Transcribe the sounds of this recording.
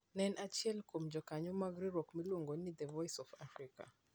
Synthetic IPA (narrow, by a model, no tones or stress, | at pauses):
nɛnʔat͡ʃiɛlkomd͡ʒɔkaɲɔmaɡɾiɾɔkmiloŋɡɔnid̪ɛvɔjsɔfafɾika̰